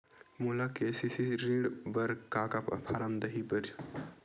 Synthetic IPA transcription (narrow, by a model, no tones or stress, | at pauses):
mulakesisiɾiɽbəɾkakappʰaɾəmd̪əɦipəɾt͡ʃ